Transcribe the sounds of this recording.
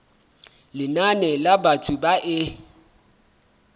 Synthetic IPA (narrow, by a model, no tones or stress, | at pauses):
lɪnanɛlabatʰʊbaʔɪ